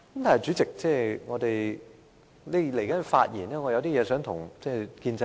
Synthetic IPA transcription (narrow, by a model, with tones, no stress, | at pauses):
kɐ˨˦mt̪aː˨˩nɐ˨jt͡syː˨˥t͡sɪ˨k̚t͡sɛː˥˧˩ŋɔː˨˧t̪e˨j | le˨˧˥le˨˩jkɐ˨˦˥n˨fa̰ː˧t̚jiː˨˩nɛː˥ŋɔ˨˧jɐ˧wt̪iː˥jɛː˨˧sœː˨˥ŋt̪ʰʊ˨˩ŋt͡sɛː˥˩kiː˧nt͡sɛ˧